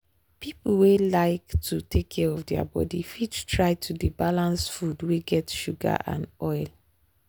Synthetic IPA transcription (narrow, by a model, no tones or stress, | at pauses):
pipl̩welaɪktʰutekʰːɛɹɔfdɛa̰bɔ̰difidtɹaɪtʰudibalãnsfudweɡɛtʃuɡa̰ʔã̰nɔɪl